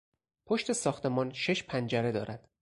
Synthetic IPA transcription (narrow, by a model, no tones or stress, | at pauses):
pʰo̞ʃt̪e̞sɒːxt̪ʰe̞mɒːnʃe̞ʃpʰænd͡ʒæɾe̞d̪ɒ̰ːɾæd̪̥